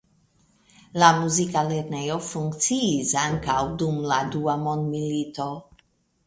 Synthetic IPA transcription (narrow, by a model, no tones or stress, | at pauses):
lamuzikaleɾne̞jo̞fuŋkt͡siːsaŋkawdumladuamo̞ndmilito̞